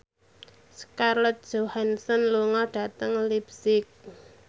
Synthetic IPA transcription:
skarlɛt̪̚d̥ʒ̥ohansənluŋɔɖ̥a̤t̪əŋlibsɪk̚

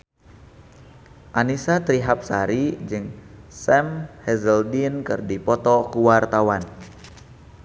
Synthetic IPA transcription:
ʔanisat̪ɾiɦap̚sa̰ɾid͡ʒɨŋsɛmhɛzəldinkɨrdipɔt̪ɔkuwart̪awan

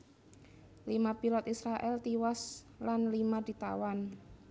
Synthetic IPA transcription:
limapilɔt̪isɾaʔɛlt̪iwas | lanlimad̪̥i̤t̪a̰wan

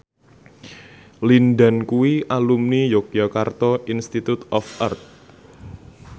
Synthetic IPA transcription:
lindankuwiʔalumnijok̚jakart̪ɔʔinst̪it̪ut̪ɔfʔart̪̚

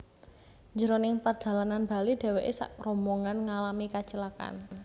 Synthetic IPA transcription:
ɲd͡ʒəɾonɪŋpərd̥a̤lananba̤lid̥ɛ̤weʔḛsa̰ʔrɔmbɔŋanŋalamikat͡ʃəlaka̰n

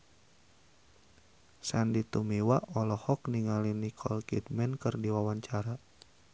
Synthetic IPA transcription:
sandit̪umiwaʔɔlɔhɔkniŋalinikʰɔlkḭdmɛnkərdiwawaɲt͡ʃaɾa

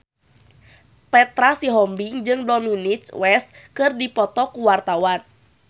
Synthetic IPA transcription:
pɛt̪ɾasiɦɔmbiŋd͡ʒɨŋdɔminit͡ʃwɛs | kɨrdipɔt̪ɔkuwart̪awan

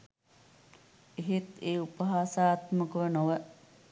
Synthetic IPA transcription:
eɦet̪eːupəɦaːsaːt̪məkəʋənoʋə

